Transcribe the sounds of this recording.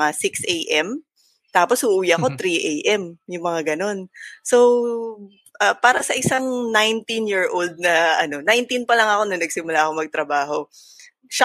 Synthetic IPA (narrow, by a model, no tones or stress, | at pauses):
ŋasɪksʔejʔɛm | t̪aːpo̞shʊʔuːjaɐko̞t̪ɾiʔejʔɛmjʊŋmɐŋaɡɐno̞nso̞w | ʔɐpaːɾɐsɐʔɪsaŋnajnt̪injiɹʔold̪̚nɐʔɐno̞najnt̪inpɐlɐŋɐko̞nɐnɐɡ̚sɪmʊlaːʔkomɐɡ̚t̪ɾɐbaːɦo̞ | ʃɐ